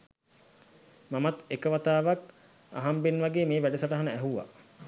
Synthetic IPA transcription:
mamat̪ekəʋat̪aːʋak | a̰ɦambenʋaɡeːmeːʋæɖəsəʈəɦanəæɦuʋa̰

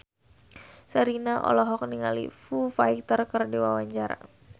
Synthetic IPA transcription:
səɾinaʔɔ̰lɔɦɔk̚niŋalḭfufajt̪ərkərdiwawaɲt͡ʃaɾa̰

